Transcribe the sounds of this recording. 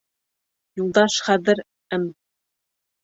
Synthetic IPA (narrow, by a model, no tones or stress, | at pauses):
julˠd̪ɑʃχæðɘ̆ɾ | ɘm